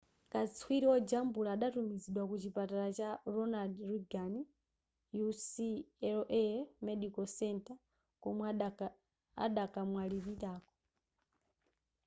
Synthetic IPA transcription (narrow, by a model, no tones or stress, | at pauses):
kat͡swiɾiwɔd͡ʒambulaːɗatumiziɗwakut͡ʃipataɾat͡ʃaɾɔnadɾuɡani | jusiɛlɔʔɛmɛɗikɔsɛntʼa | kɔmw | a̰ɗakʼamwaliβitaːkɔ